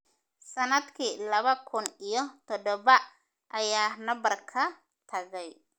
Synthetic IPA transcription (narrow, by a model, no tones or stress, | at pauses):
sɐnɐd̪kʰiːlɐβɐkʰʊnijɔt̪ʰɔd̪ɔβɐ | ʔɐjaːnɐbɐrkʰɐ | t̪ʰɐɣɛj